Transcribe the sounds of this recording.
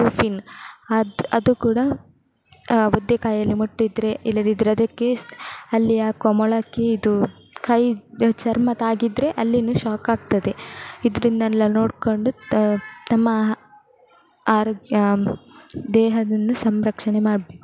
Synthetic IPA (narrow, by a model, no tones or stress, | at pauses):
upinɐɐd̪ukuːɽɐ | od̪ːekaːjɐlːimuʈːid̪ɾe̞ilːɐd̪id̪ɾɐd̪ɐkːe̞ɐlːijaːkɐmɔɭɐkːeid̪u | kʰɐjt͡ʃɐɾmɐt̪aːɡid̪ɾe̞ʔɐlːinuʃaːkaːɡ̚t̪ɐd̪e̞id̪ɾind̪ɐlːɐno̞ːɖkoɳɖut̪ɐmːɐ | aːɾɡ | d̪ɛːɦɐd̪ɐnːusɐmɾɐkʂɐɳemaːɽbeku